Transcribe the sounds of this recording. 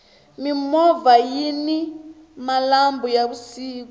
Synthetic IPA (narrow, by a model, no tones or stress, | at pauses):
mimɔvajini | malambɔjaβusiːk̬u